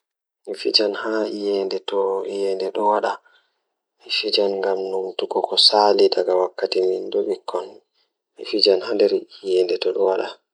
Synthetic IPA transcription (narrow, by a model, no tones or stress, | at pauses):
nifid͡ʒanhaijɛndɛtɔijɛndɛɗɔwaɗa | ɛfid͡ʒanŋɡamnumtukɔkɔsaliɗaɡawakːatimindoɓikʰːɔn | mifid͡ʒanhandɛɾijɛndɛtɔɗɔwaɗa